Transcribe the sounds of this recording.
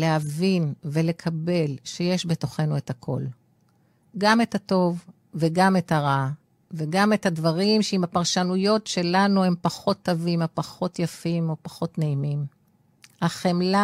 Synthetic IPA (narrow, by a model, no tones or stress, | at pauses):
lehavinve̞le̞kʰabe̞lʃejeʃbeto̞χe̞nue̞thakʰo̞̰l | ɡame̞tato̞vː | eɡame̞thaʁa | veɡame̞thadvaʁimʃeimapaʁʃanujo̞tʃe̞lanue̞mpaχo̞tːovimapaχo̞tjafimo̞paχo̞tneimim | haχemla